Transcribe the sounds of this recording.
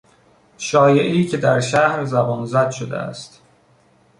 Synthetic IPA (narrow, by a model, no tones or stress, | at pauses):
ʃɒːje̞ʔiːcʰe̞d̪æɾʃæhɾzæbɒːnzæd̪ʃod̪ḛæ̰st̪